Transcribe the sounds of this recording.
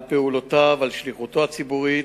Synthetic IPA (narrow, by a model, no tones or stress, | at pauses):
peulot̪avalʃliχut̪oat͡sibuʁi